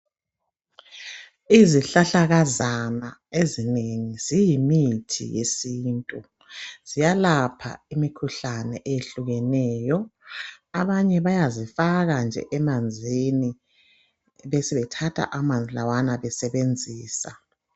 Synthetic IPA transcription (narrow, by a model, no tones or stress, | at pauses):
iziɬaɬaɣazanaezineŋiz̥ijimitʰḭjḛsiːntʼu | z̥ijalapʰa̰imikʰuɬanɛ̰ʔejeɬuɣɛnɛːjɔ | aβaɲɛβajazifaɣand͡ʒʱɛ̰ʔɛmand͡zʱini | βɛsiβɛtʰatʰa̰ʔamand͡zʱilawanaβɛsɛβend͡zʱiːsa